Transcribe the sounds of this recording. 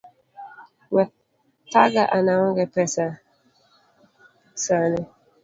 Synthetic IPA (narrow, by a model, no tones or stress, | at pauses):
wɛ | taɡaʔanaŋɔɡɛpɛsa | sanɛ